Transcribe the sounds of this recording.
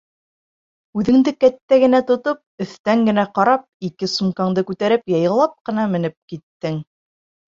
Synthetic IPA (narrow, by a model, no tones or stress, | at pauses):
ʉðɘ̆ŋd̪ɘkæt̪ːæɡɘ̆næt̪ŏt̪op̚ɵ̆θt̪æŋɡɘ̆næqɑɾɑp̚ikɘsumqɑɴd̪ɤkʉt̪æɾɘpjɑjɤ̆lˠɑp̚qɤ̆nɑmɘ̆nɘp̚kit̪ːɘŋ